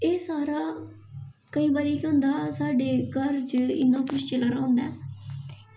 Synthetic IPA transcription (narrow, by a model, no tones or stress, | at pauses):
eːsaːɾaː | kəiːbaːɾiːkõːnd̪aːsaːɖeːkəɾt͡ʃɪ̰nːãːkʰʊʃt͡ʃələɾãːʊnd̪aɛː